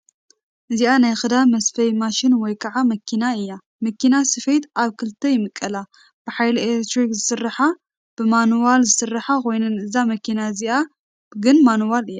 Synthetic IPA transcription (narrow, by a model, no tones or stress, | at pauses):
ʔɨziʔanajxɨd̪amɐsfɐjmaʃɪnwɔjkʰɐʕamɐkʰinaɨjːa | mɐkinasɨfejt̪aβkʰɨlt̪ʰːɐjɪmɨkʼːɐla | b̥ɨħajlieekt̪ɾikzɨsɨrːɐħa | b̥ɨmanwalzɨsɨrːɐħakʰo̞jnɨnɨzamɐkʰinaɨziʔa | ɡɨnmanwalɨjːa